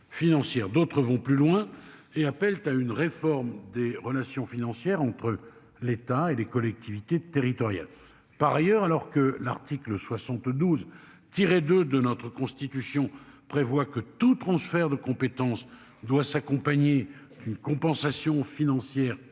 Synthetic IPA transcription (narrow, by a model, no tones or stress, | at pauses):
finɑ̃sjɛʁd̪ot̪χəvɔ̃plylwɛ̃eapɛlt̪aynʁefɔʁmd̪eʁəlasjɔ̃finɑ̃sjɛʁɑ̃t̪χə | let̪aelekɔlɛk̚t̪ʰivit̪et̪eʁit̪ɔʁja̰l | paʁajœʁalɔʁkəla̰ʁt̪iklswasɑ̃t̪d̪uz | t̪iʁed̪ød̪ənɔt̪χəkɔ̃st̪it̪ysjɔ̃pχevwakət̪ut̪χɑ̃sfɛʁd̪əkɔ̃pet̪ɑ̃s | d̪wasakɔ̃paɲed̪ynkɔ̃pɑ̃sasjɔ̃finɑ̃sjɛːʁ